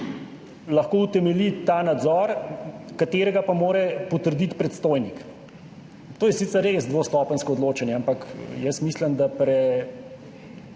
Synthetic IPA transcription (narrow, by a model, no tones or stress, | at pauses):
lɐxkoːut̪ɛmɛlit̪aːnad̪zɔːɾkat̪eːɾɛɡapamoːɾɛpɔt̪əɾd̪it̪pɾɛt̪st̪oːjnik | t̪oːjɛsit̪sɛɾːezd̪ʋoːst̪ɔːpənskɔːd̪loːt͡ʃɛnjɛampɐkjɛsmiːsləmd̪apɾɛ